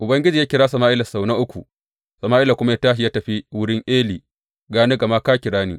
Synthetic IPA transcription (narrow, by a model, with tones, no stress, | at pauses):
ʔʊ˨bɐ˦ŋɡʲɪ˦d͡ʒiː˨ja˦kʲɪ˨ɾaː˦sɐ˨maː˦ʔɪ˦la˨sa˨wnɐ˦ʔʊ˦kʷṵ˨ | sɐ˨maː˦ʔɪ˦la˨kʷʊ˦ma˦ja˦taː˦ʃi˨jaː˦tɐ˨ɸi˦wʊ˦ɽɪ˦ŋʔeː˦liː˨ | ɡaː˦ne˦ɡɐ˨ma˦kaː˦kʲɪ˨ɽaː˦nḭː˦